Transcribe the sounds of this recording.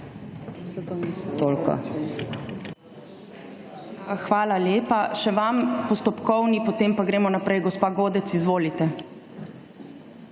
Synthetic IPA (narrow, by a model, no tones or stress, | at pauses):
t̪oːlka̰ | xʋaːlaljeːpaʃɛʋampɔst̪ɔpkɔwnipɔt̪eːmpaɡɾeːmɔnapɾɛjɡɔspaːɡoːd̪ɛt̪sizʋoːlit̪ɛ